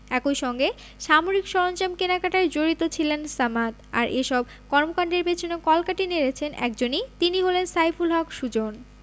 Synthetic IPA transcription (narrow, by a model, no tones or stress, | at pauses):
ɛkojʃɔŋɡe | ʃamoɾikʃɔɾont͡ɕamkenakaʈaɾd͡ʑoɾit̪ot͡ɕʰilensamat̪a̰ɾʔeʃɔb | kɔɾmokaɳɖeɾbet͡ɕʰinokɔlkaʈineɾet͡ɕʰenʔɛ̰kd͡ʑonit̪iniɦolensajfulɦɔkʃud͡ʑon